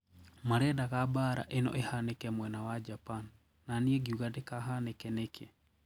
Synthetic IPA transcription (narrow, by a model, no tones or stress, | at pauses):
maɾɛdaɣabaɾa̰ʔenɔ̰ʔehanekɛmwɛnawad͡ʒapanː | aniɛɡiuɣadekaɦanekɛnekʰe